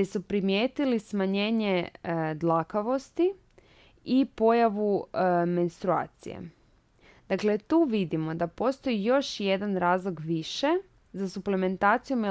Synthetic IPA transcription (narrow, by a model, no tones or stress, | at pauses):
esupɾimje̞ːt̪ilismaɲe̞ːɲed̪lˠakaʋo̞st̪i | ipo̞jaʋume̞nst̪ɾua̰ːt̪sḭjḛ | d̪̥akle̞t̪uːʋid̪imo̞d̪apo̞st̪o̞jijo̞ʃje̞d̪anɾaːzlˠoɡʋiʃe̞ | zasupleme̞nt̪aːt̪sijomi